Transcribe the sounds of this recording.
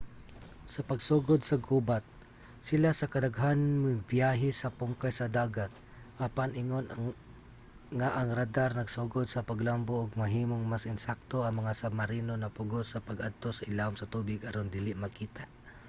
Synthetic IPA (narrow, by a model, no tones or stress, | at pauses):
sɐpɐɡsuɡod̪sɐɡubat̪̚ | sɪlasɐkɐd̪aɡɦanmɪŋbjaːɦɛsɐpʊŋkajsɐd̪aːɡat̪̚ | ʔapanɪŋon | ŋaʔɐŋɾad̪aɾnɐɡsuɡod̪̚sɐpɐɡlamboʔːɡ̚mɐɦiːmoŋmasɪnsak̚t̪oɐŋmɐŋasamɐɾiːnonɐpʊɡosɐpɐɡad̪̚t̪o̞sɐɪlaʊmsɐt̪uːbɪɡɐɾond̪ɪlɪʔmɐkiːt̪aʔ